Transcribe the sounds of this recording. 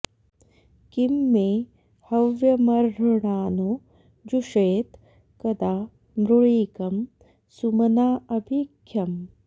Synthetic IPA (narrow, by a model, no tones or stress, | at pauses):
kimːeː | hɐʋjɐmɐɾɦɐɳaːnu | d͡ʒuʂeːt̪ | kɐd̪aː | mɾuɭiːkɐm | sumɐnaːɐbʱikʰjɐm